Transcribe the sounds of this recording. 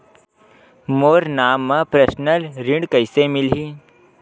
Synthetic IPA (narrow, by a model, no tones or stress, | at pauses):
moːɾnaːmːãpɾəsnəlɾɪ̃ɳɖkəɪsemɪlɦiː